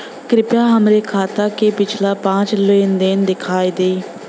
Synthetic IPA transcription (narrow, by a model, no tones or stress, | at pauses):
kɾɪpjaːɦəmɾeːkʰaːt̪aːkeːpɪt͡ʃʰlaːpãːt͡ʃloɪnd̪ɪnd̪ɪkʰaːiːd̪eː